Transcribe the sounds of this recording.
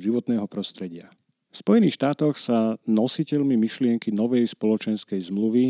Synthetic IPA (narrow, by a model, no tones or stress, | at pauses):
ʒiʋɔt̪nɛːɦɔpɾɔst̪ɾɛɟɪa | fspɔjɛniːxʃt̪aːt̪ɔxsanɔsicɛʎmimiʃlɪɛŋkinɔʋɛjspɔlɔt͡ʃɛnskɛjzmluʋi